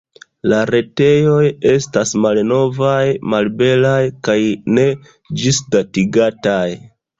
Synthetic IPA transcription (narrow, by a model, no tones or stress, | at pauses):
laɾe̞te̞jo̞je̞stasmalno̞vajmalbe̞lajkajne̞ | d͡ʒisdatiɡataj